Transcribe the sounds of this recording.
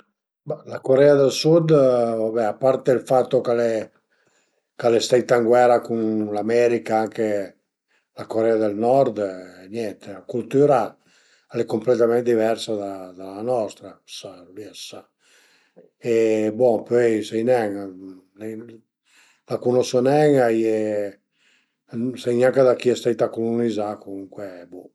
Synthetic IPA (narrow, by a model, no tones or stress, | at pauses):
balakoɾɛad̪elsud̪vabɛapːaɾt̪elfat̪ːokalɛ | kalest̪ɛjt̪aŋɡwɛɾakunlamɛɾikaaŋke | lakoɾɛad̪elnɔɾd̪ɲjɛnt̪eakult̪yɾa | alɛkːomplet̪amɛnt̪d̪ivɛɾsad̪ad̪alanɔst̪ɾasaliasa | ebɔpøjsejnɛŋ | nɛ | lakunɔsonɛŋajɛ | sejɲaŋkad̪akiɛst̪ajt̪akolunizakomuŋkwebu